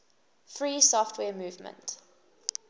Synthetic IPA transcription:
fɹiːsɔftʰwɛːmuːvmə̰̃nt

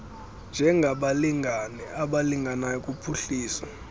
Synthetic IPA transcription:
nd͡ʒʱɛŋɡʱaɓaliŋɡʱanɛaɓaliŋɡanajɔkʼupʰuɬiːsa

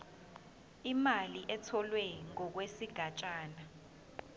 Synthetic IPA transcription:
imaliʔɛtʰɔlwɛŋɔk̬wesiɡ̥ʱat͡ʃʼaːna

